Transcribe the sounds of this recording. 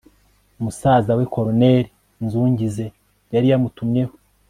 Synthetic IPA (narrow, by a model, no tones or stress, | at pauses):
umusaːzaweko̞ɾoneɾi | nzuːɲɟize̞ | jaɾijamutumɲe̞ho